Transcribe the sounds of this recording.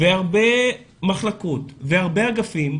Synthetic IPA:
veaʁbe̞ | maχlakotveaʁbeaɡafim

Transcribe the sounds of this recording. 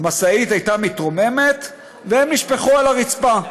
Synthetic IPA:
masait̪ajt̪amit̪ʁome̞me̞t̪ | veemniʃpeχuelaʁit͡spa

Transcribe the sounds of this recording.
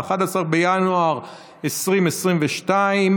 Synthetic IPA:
aχad̪asaʁbejanuaʁ | esʁimesʁimveʃtaim

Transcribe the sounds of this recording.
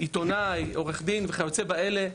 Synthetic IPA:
it̪o̞najo̞ʁeχd̪inveχajot͡se̞bae̞le̞

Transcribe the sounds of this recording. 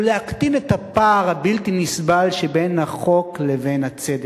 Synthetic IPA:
lehakt̪inet̪hapaːʁhabilt̪inisbalʃebenhaχo̞kleve̞nhat͡sed̪e

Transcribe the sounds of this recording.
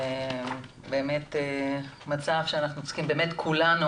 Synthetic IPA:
e | be̞ːme̞t̪emat͡savʃeanaχnunt͡skimbe̞ːmetkʰulanu

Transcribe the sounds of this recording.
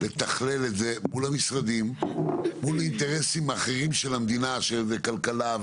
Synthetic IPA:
le̞t̪aχle̞letze̞mulhamisʁad̪immulint̪e̞ʁe̞simaːχe̞ʁimʃe̞lamd̪inaʃelvekalkalav

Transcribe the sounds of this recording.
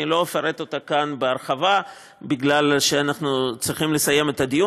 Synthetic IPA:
ilo̞afaʁet̪o̞t̪akanbeaʁχava | biɡlalʃeanaχnut͡sʁiχimle̞saje̞me̞t̪ad̪iju

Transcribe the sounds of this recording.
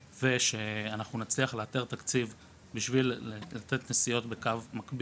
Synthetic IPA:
ve̞ʃe̞anaχnunat͡sliaχleat̪eʁt̪akt͡siv | biʃvillat̪et̪nesijo̞t̪be̞kavmakbi

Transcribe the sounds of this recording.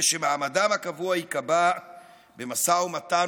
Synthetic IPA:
ʃemaamadamhakavuaikaba | bemasaumat̪a

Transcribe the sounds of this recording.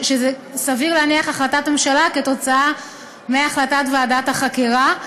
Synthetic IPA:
ʃeze | saviʁleaniaχaχlatatme̞mʃalaketo̞t͡saa | meaːχlatatveadathaχakiʁa

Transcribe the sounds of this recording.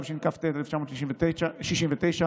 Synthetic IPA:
vʃinkaft̪et̪eleft͡ʃamoːt̪ʃliʃimvet̪eaʃiʃimvet̪ejʃa

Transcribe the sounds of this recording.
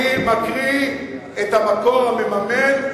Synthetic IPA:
imakʁi | etamakoʁhamemamen

